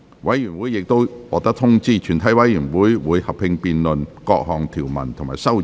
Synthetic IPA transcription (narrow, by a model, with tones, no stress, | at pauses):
wɐ˨˥jjyː˨˩nwuː˨˥jːɪ˨k̚t̪o˥wwɔː˨˧t̪ɐ˥k̚t̪ʰʊ˥ŋt͡siː˥˩t͡ʃʰyː˨˩nt̪ʰɐ˨˥jwɐ˨˥jyː˨˩nwuː˨˥jwuː˨˧jhɐ˨p̚hɪ˧ŋpiː˧nlɵ˨nkɔː˧k̚hɔː˨ŋt̪ʰiː˨˩wmɐ̰˨˩nt̪ʰʊ˨˩maː˨˩sɐ˥w